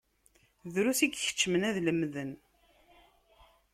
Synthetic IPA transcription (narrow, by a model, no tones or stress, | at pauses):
ðɾusiɡçə̥t͡ʃːəmənæðləmðən